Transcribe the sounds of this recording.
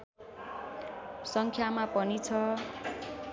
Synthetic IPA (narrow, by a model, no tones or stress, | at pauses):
sʌŋkʰjamapʌnit͡sʰʌ